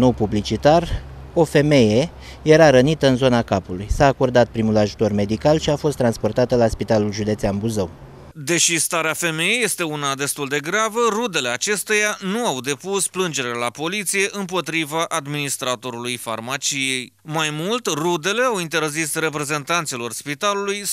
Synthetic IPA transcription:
no̞wpublit͡ʃit̪ar | o̞fe̞me̞je̞ | je̞ɾaɾənit̪əɨnzo̞nakapulujsaːko̞rd̪at̪̚pɾimulaʒut̪o̞rme̞d̪ikalʃiafo̞st̪ːɾanspo̞rt̪at̪əlaspit̪alulʒud̪e̞t̪seambuzəw | d̪e̞ʃist̪aɾeafe̞me̞jeje̞st̪e̞unad̪e̞st̪uld̪e̞ɡɾavərud̪e̞le̞at͡ʃe̞st̪e̞januawd̪e̞pusplɨnd͡ʒe̞ɾelapo̞lit̪sije̞ʔɨmp̬o̞t̪ɾivaʔad̪minist̪ɾat̪o̞ɾulujfa̰rmat͡ʃije̞j | majmult̪rud̪e̞le̞awint̪e̞rzisre̞pɾe̞ze̞nt̪ant̪silo̞rspit̪aluluj

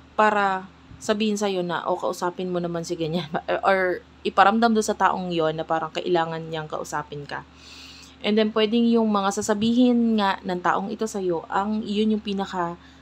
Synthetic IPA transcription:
paːɾɐ | sɐbiːhɪnsɐjo̞nɐ̰ʔokɐ̰ʔʊsaːpɪnmonɐmansɪɡɐɲanʔoɹ | ʔɪpɐɾɐmd̪amd̪onsɐt̪a̰ːʔoŋjo̞nːɐpaːɾɐŋkɐʔɪlaːŋɐnɲaŋkɐ̰ʔʊsaːpɪnkɐ̰ | ʔɛnd̪ɛnpwɛd̪ɪŋjʊŋmɐŋasasɐbiːɦɪnŋaʔnɐŋt̪a̰ːʔoŋʔɪt̪o̞sɐjo̞ʔɐŋjonjʊŋpiːnɐkɐ

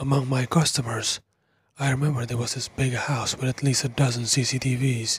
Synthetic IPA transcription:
əmʌ̃ŋmaɪkʰʌstəmə˞z̥ | aɪɹɨmɛ̃mbə˞d̪ə˞wʌzɪsb̥ɪɡɨhaʊswɨðɨtʰˡlistɨdʌzə̃nsisitʰiviz̥

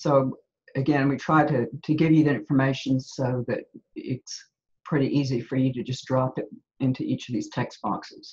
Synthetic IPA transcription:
soʊ | ɨɡɛ̃nwitʰɹ̥aɪɾɨɾʰɨɡɪvjɨðiɪ̃ɱfə˞meɪʃɨ̃n̩soʊðɨɾɪ̰ts | pʰɹ̥ɪɾiʔizifə˞jɨɾɨd͡ʒʌsd̥ɹɑpɨɾ | ɪ̃ntʰʉʔit͡ʃʌvðiz̥tʰɛksb̥ɑ̰ksɨz̥

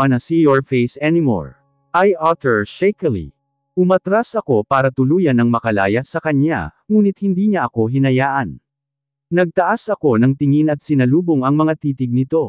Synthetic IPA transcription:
ɐnɐsijoɹfejsɛnɪmo̰ɹ | ʔajʔat̪ɛɹʃɛjkɛlḭ | ʔʊmɐt̪ɾasʔɐko̞paːɾɐt̪ʊluːjɐnɐŋmɐkɐla̰ːjɐsɐkɐɲa̰ | ŋuːnɪt̪̚hɪnd̪iːɲɐʔɐko̞ɦɪnɐjaːʔɐn | nɐɡ̚t̪ɐʔasʔɐko̞nɐŋt̪ɪŋinɐt̪̚sɪnɐluːbo̞ŋɐŋmɐŋat̪iːt̪ɪɡ̚nɪt̪o̞

